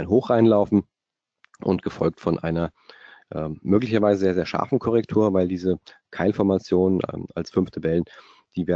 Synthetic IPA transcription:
ɪnɦoːxʁ̥aɪnlaʊfn̩ | ʔʊ̰ntɡ̥əfɔlk̚tfɔnʔa̰ɪnɐ | ʔɛːmːøːklɪçɐvaɪzəzeːɐzeːɐʃa̰ɐfn̩kʰɔʁɛktʰuːɐvaɪldiːzə | kʰaɪlfɔɐmat͡sjoːnən̰ːa̰lsfʏnftʰabɛlən | d̥iːveːɐ

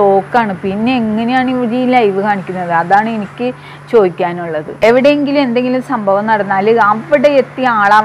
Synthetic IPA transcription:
o̞ːkːaːɳɨpinːe̞eŋːɐne̞jaːɳiʋɐɾijilajiʋɨkʰaːɳikʲːunːɐðɨɐðaːɳɨenikʲːɨ | t͡ɕo̞ːd̪ikʲːaːnuɭːɐðɨ̰e̞ʋiɽe̞jeŋɡilume̞nd̪e̞ŋɡilumsɐmbʱɐʋɐmnɐɽɐnːaːlɐʋiɽe̞et̪ːiaːɭaː

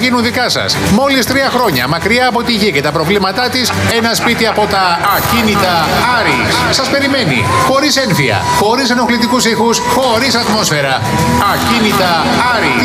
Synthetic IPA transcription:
ʝinunðikɐsɐ̰smo̞list̪ɾiɐxɾo̞ɲɐ̰mɐkɾiɐːpo̞t̪iʝice̞t̪ɐpɾo̞vlimɐt̪ɐt̪ise̞nɐspit̪iɐpo̞t̪ɐːcinit̪ɐɐɾissɐspe̞ɾime̞nḭxo̞ɾise̞nfiɐ̰xo̞ɾiseno̞xlit̪ikusixusxo̞ɾisɐt̪mo̞sfe̞ɾɐː | cinit̪ɐ | ɐɾi

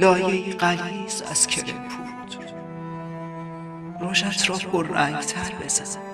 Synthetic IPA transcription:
lɒːjeiɢæɾiːzæ̰z̥cʰelḛmpʰuːd̪̥ | ɾoːʃæt̪ʰɾɒːpʰorːæŋɡt̪ʰæɾbesɒz̥

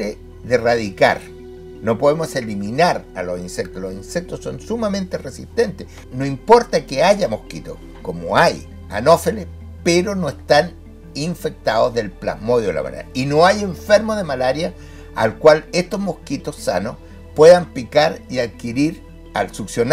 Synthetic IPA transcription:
e | ðeraðika̰ɾ | no̞poðemoseliminaɾalosinsek̚t̪olosinsek̚t̪osːo̞nsumament̪eresḭt̪ent̪eh | noimpo̞ɾt̪akeaʝamohkit̪o | komo̰aj | a̰no̞fele | peɾonoest̪an | iɱfek̚t̪aðozðe̞lpla̰hmoðjoela̰ma̰na̰ɾainoaje̞ɱfeɾmoðemalaɾja | a̰lkwaleht̪ozmohkit̪osa̰nos | pweðampikaɾiaðkiɾiɾ | a̰lsuksjon

